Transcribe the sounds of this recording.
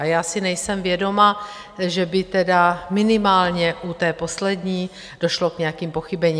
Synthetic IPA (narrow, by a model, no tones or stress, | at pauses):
ajaːsɪnɛjsɛmvjɛdo̞ma | ʒɛbɪt̪ɛdamɪnɪmaːlɲɛʔut̪ɛːpo̞slɛdɲiː | d̥oʃlokɲɛjakiːmpo̞xɪbɛɲiː